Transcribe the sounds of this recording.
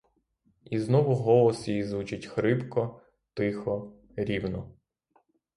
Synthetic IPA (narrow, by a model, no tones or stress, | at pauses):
iznɔʋʊɦɔlˠɔsjijizʋut͡ʃɪtʲxɾɪpkɔ | t̪ɪxɔ | ɾʲiwnɔ